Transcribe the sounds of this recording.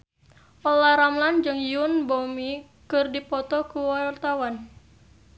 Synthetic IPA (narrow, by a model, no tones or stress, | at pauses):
ʔɔlaɾamland͡ʒɨŋjunbomi | kɨrdipɔt̪ɔkuwart̪awan